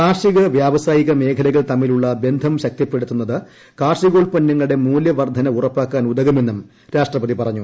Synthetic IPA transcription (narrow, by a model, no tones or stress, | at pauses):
kaːrʂiɣɐʋjaːʋɐsaːjiɣɐme̞ːkʰɐlɐɣɐɭt̪ɐmːiluɭːɐbe̞nd̪ʱɐmɕɐk̚t̪ipːe̞ɽut̪ːunːɐðɨ | kaːrʂiɣo̞ːɭpɐnːɐŋːɐɭɽe̞muːljɐʋɐrd̪ʱɐnɐurɐpːaːkːaːnud̪ɐɣɐme̞nːum | ɾaːʂʈrɐpɐðipɐrɐɲːu